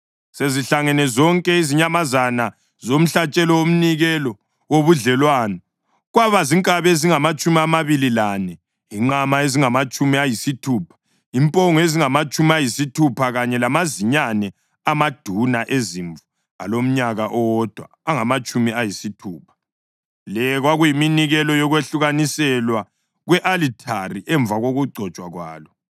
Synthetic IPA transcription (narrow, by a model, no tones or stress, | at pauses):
seziɬaŋɛnɛzɔŋkʼɛiziɲamazana | zom̩ɬat͡ʃʼɛlɔwom̩niɣɛlɔ | woβuɮɛlwaːnɔ | ɣwaβaziŋkʼaβeziŋamat͡ʃʼumiamaβililanɛ | jiŋ͡ǃamaeziŋamat͡ʃʼumiajisitʰuːpʰḁ | impʼɔŋɔeziŋamat͡ʃʼumiajisitʰupʰaɣaɲɛlamaziɲanɛ | amad̥ʱunaʔeziɱvu | a̰lom̩ɲaɣaʔɔd̥ʱwa̰ːŋamat͡ʃʼumiajisitʰuːpʰḁ | lɛɣwaɣujiminiɣɛlɔjɔɣweɬuɣanisɛlwa | ɣwɛʔalitʰariʔɛɱbvaɣoɣuɡ͡ǀʱɔt͡ʃʼwaɣwa̰ːlɔ